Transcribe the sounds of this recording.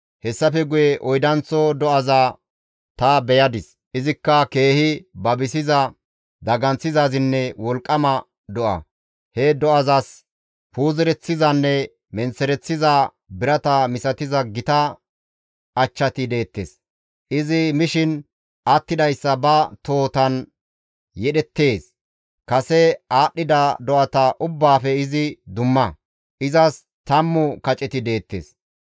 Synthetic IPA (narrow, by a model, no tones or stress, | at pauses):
hɛsːɐfɛɡʊjɛʔɔjd̪ɐnt͡sːɔd̪ɔʔɐzaː | t̪ɐbɛjɐd̪ɪs | ʔɪzɪkːɐke̞ːhɪbɐbɪsɪzɐ | d̪ɐɡɐnt͡sːɪzaːzɪnːɛwɔlkʼːɐmɐ | d̪ɔʔɐ̰ | hɛd̪ɔɐzas | puːzɛɾɛt͡sːɪzɐnːɛ | mɛnt͡sːɛɾɛt͡sːɪzaː | bɪɾɐt̪ɐmɪsɐt̪ɪzɐɡɪt̪ɐ | ɐt͡ʃːɐt̪ɪd̪e̞ːt̪ːḛs | ʔɪzɪmɪʃɪn | ʔɐt̪ːɪd̪ɐjsːɐbɐt̪o̞ːt̪ɐn | jɛɗɛt̪ːe̞ːs | kɐsɛaːɗːɪd̪ɐd̪ɔʔɐt̪ɐʔʊbːaːfɛɪzɪd̪ʊmːɐ | ʔɪzɐs | t̪ɐmːʊkɐt͡ʃʼɛt̪ɪd̪e̞ːt̪ːḛːs